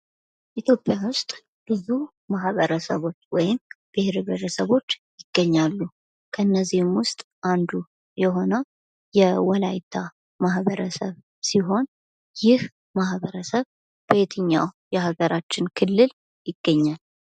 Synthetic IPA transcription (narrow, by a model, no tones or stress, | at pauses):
ʔit̪ʰjo̞pʼːjawʊst̪ʼ | b̥ɨzu | mahβəɾəsəβo̞t͡ʃːwɔjɪmb̥ɪheɾβeɾəsəβo̞t͡ʃːjɪɡ̥ːəɲːalːu | kʰəɨnːəzːihɨmwʊst̪ʼ | ʔand̪u | jɛɦo̞nəw | jɛwɔlajt̪ʰa | maɦbəɾəsəβ | siɦo̞n | jɪh | mahbəɾəsəβ | b̥əet̪ʰɨɲːawjɛhaɡəɾat͡ʃːɪnkʰɨlːɨl | jɪɡ̥ːəɲːal